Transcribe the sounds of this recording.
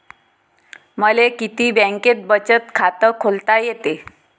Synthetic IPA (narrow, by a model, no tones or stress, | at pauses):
məlekit̪iːbə̃ŋket̪̚bət͡ɕət̪kʰat̪əkʰolt̪ajet̪e